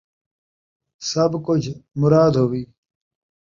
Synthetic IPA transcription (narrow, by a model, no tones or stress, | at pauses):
sɐbkud͡ʑʰʱmʊɾaːd̪ɦoːwiː